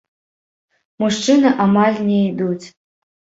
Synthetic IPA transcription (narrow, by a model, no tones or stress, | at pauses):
muʂt͡ʂɨnɨʔamalʲnʲeid̪ut͡sʲ